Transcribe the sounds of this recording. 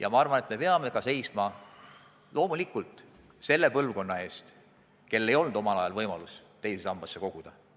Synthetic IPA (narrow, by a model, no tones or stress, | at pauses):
jɑ̰mɑɑrvɑnet̪me̞peɑme̞kɑse̞jsmɑ | lo̞ːmulikˑult̪ˑ | se̞lːe̞pɤlvko̞nːɑe̞ːst̪ | ke̞lːe̞jo̞lnud̪̥o̞mɑlɑjɑlvɤjmɑlust̪e̞jsesɑmb̥ɑsːe̞ko̞ɡ̥ud̪̥ɑ